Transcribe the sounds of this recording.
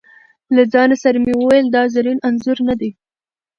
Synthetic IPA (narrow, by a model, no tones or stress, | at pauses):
lad͡zɑnasaɾamewəwajəld̪ɑzaɾinanzʊɾnad̪e